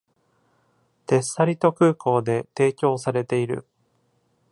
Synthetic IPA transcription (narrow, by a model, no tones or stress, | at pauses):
t̪e̞sːaɾʲit̪o̞kɯ̟ːko̞ːd̪e̞t̪e̞ːkʲo̞ːsaɾe̞t̪e̞iɾɯ̟̰